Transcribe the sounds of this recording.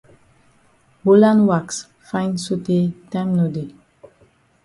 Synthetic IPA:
ho˦lã˦nwa˨ks | fãj̃nso˦te˦tãmno˨de˨

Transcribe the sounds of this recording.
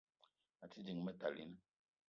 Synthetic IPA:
a˨ti˦d͡ʒi˨ŋ˨mɛ˦ta̰˨lḭ˦n˦

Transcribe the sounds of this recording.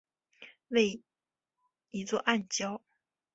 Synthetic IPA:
we˥˩ɪ | i˧˥t͡swɔ˥˧ʔa˥˩nt͡ɕjɑ˥ʊ

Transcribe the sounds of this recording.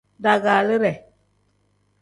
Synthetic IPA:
da˨ɡaː˨lɨ˦ɾɛ˨

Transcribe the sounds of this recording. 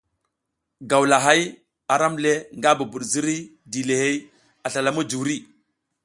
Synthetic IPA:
ɡa˨wla˨ɦa˦j | a˨ɾa˦mle˦ŋɡa˦bu˨bu˨ɗzi˦ɾi˦ | di˨le˨he˦j | a˨ɬa˨la˨mu˦d͡ʒu˨wɾi˦˨

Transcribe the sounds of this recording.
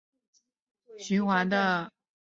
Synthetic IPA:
ɕy˧˥nxwa˧˥nd̪ə˧

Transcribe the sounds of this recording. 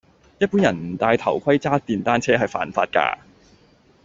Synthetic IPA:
jɐ˥t̚puː˨˥njɐ˨˩nm̩˨˩t̪aː˧jt̪ʰɐ˨˩wkʰɐ˥jt͡saː˥t̪iː˨˩nt̪aː˥nt͡sʰɛː˥ɦɐ˨jfa̰ː˨nfaː˧t̚ka̰ː˧

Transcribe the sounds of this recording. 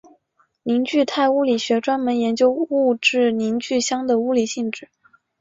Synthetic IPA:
ni˧˥ŋt͡ɕy˥˧t̪ʰa˥˩ɪu˥li˨˩ɕɥɛ˧˥ʈ͡ʂwa˥nmə˧˥njɛ˧˥nt͡ɕjo˥ʊu˥˧ʈ͡ʂɻ̩˥˩ni˧˥ŋt͡ɕy˥˩ɕjɑ˥ŋd̪ə˨u˥li˨˩ɕi˥˩ŋʈ͡ʂɻ̩˥˩

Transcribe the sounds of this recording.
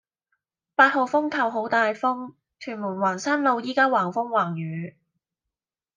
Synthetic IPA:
paː˧t̚ho˨wfʊ˥ŋkʰɐ˨wɦo˨˥wt̪aː˨jfʊ˥ŋ | t͡ʃʰyː˨˩nmuː˨˩nwaː˨˩nsaː˥nlo˨˧wjiː˥kaː˥waː˨˩ŋfʊ˥ŋwaː˨˩ŋjyː˨˥

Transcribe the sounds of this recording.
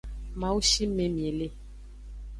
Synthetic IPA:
mã˨wu˦ʃi˦me˨mĩ˨e˨le˦

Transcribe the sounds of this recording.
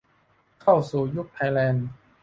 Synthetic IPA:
kʰa˥˩wsuː˨˩ju˦˥k̚t̪ʰa˧jlɛː˧n

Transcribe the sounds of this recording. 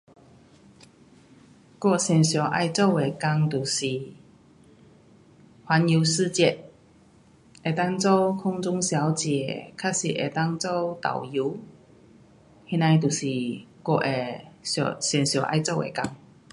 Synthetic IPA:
kwɔ˥˧ɕjɛ˨˩nɕjɔ˨˩ʔa̰˥˧jt͡so˥˧ʊwe˨˩ka˧ŋt̪u˨˩ɕi˨˩ | hwa˨˧˥nju˧s̩˥˧t͡ɕjɛ˥˧t̚ | e˨˩t̪a˥˧ŋt͡so˥˧wkʰʊ˥ŋt͡sʊ˧˥ŋɕja˨˦wt͡ɕjɛ˨˩kʰa˥si˧ʔḛ˨˩t̪a˥˧ŋt͡so˥˧wt̪a̰˨˩wju˨˧˦ | hi˧˥na˧jt̪̬u˨˩si˨˩kɔ˧ʔe˨˩ɔ̰˧˩ɕjɛ˨˩nɕjɔ˨˩ʔa̰˥˧jt͡so˥˧˨wʔḛ˨˩ka˧ŋ

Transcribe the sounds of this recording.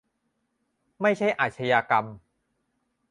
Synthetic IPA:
ma˥˩jt͡ɕʰa˥˩jʔaː˨˩t̪̚t͡ɕʰa˧jaː˧ka˧m

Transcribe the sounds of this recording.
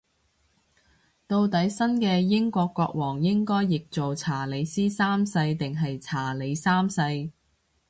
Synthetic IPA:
t̪o˧wt̪ɐ˨˥jsɐ˥nkɛː˧jɪ˥ŋkʷɔː˧kːɔː˧k̚wɔː˨˩ŋjɪ˥ŋkɔː˥jːɪ˨k̚t͡so˨wt͡sʰaː˨˩le˨˧jsiː˥saː˥msɐ˧jt̪ɪ˨ŋɦɐ˨jt͡sʰaː˨˩le˨˧jsaː˥msɐ˧j

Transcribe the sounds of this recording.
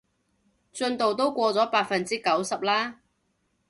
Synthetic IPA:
t͡ʃɵ˧nt̪o˨wt̪̬o˥wkʷɔː˧t͡sɔː˨˥paː˧t̚fɐ˨nt͡siː˥kɐ˨˥wsɐ˨p̚laː˥

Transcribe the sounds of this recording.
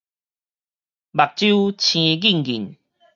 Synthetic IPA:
ba˨˩k̚t͡ɕu˦t͡ɕʰĩ˧ɡi˥˨ŋɡḭ˨˩n

